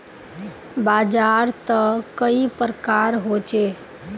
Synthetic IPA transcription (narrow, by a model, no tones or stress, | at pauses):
baːd͡ʒaːɾt̪əkəipɾkaːɾɦot͡ʃe